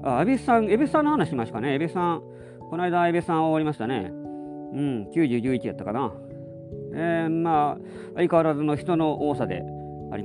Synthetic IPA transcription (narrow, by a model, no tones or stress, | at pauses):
a̰ːbessãɰ̃ebesɨsãnːohanaɕiimaɕi̥kaneːbesɨ̥sã | ko̞naid̪aːibessãɰ̃oβaɾimaɕi̥t̪ane̞̰ | ɯ̟̃ɴkʲɨːʑɨːɡʲɨ̟ːit͡ɕiat̪ːḁkana | emaː | aikaɾazono̞çi̥t̪o̞no̞ʔoːsad̪e̞̰ | a̰ɾʲḭa